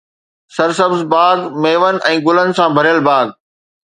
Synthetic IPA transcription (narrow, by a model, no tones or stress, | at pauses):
sɐɾsɐbzbaːɡmeːʋənɪ̆ʔɛ̃ːɡʊlənɪ̆sãbʱɐɾjəlbaːɡ